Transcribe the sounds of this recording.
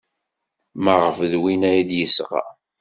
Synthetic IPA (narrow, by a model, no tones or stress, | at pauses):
məʁəfðwinæjid̪jəsʁa̰